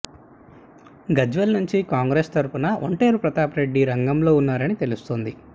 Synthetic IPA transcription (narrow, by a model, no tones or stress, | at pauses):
ɡɐd͡ʒʋelnuɲt͡ʃikaːŋɡɾeːst̪ɐɾpunɐʔo̰ɳʈe̞ːɾupɾɐt̪aːpɾe̞ɖːiɾɐŋɡɐmlo̞ːunːaːɾɐnit̪elust̪oːnd̪i